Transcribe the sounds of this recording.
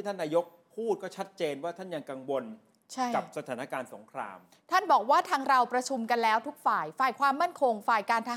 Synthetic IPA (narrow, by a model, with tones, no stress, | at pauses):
i˥˩t̪ʰa˥˩nːaː˧jo˦˥k̚pʰuː˥˩t̪̚kɔː˥˩t͡ɕʰa˦˥t̪̚t͡ɕeː˧nwaː˥˩t̪ʰa˥˩nja˧ŋka˧ŋwo˧n | t͡ɕʰa˥˩jka˨˩p̚sa˧t̪ʰaː˩˦na˦˧˩kaː˧nso˩˦ŋkʰɾa̰ː˧m | t̪ʰa˥˩nbɔː˨˩k̚waː˥˩t̪ʰaː˧ŋɾa˧wpɾa˧t͡ɕʰu˧mka˧nlɛː˦˥wt̪ʰu˦˥k̚faː˨˩jfaː˨˩jkʰwaː˧mːa˥˩nkʰo˧ŋfaː˨˩jkaː˧nt̪ʰa˦˥